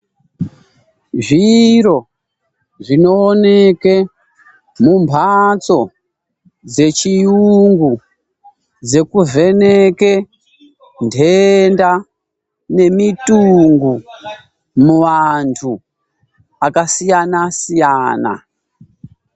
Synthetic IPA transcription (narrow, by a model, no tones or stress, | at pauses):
ʐiro̞ | ʐino̞ːneke | mumbʱat͡so̞ | d͡ze̞t͡ʃijuŋɡu | d͡ze̞kuve̞neke̞ | ndʱe̞nda | ne̞mituŋɡu | muʋantʰu | akasijanasijaːna̰